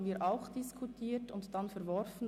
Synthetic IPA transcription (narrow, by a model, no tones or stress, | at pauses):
n̩viːɾʔaʊxd̥ɪskʰutʰiːtʊntd̥ɑnfɛɾvɔɾfn̩